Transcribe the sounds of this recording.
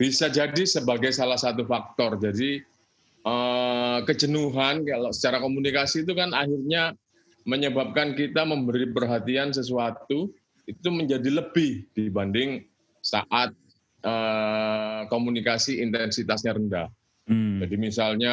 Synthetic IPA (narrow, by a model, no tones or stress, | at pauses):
b̥isad͡ʒadisəbaɡajsalahsat̪̬ufak̚t̪ɔrd͡ʒadi | əkəd͡ʒənuɦankalsə̥t͡ʃaɾakomunikasiːt̪̬ukanaɦirɲa | məɲəbap̚kankit̪aməmbəɾipərɦat̪ians̬əs̬uat̪u | it̪uməɲd͡ʒadiləb̥ɪhd̥ibandɪŋ | sa̰ʔat̪̚ | ə | komunikasiint̪ɛnsit̪asɲaɾəndah | d͡ʒadimisalɲa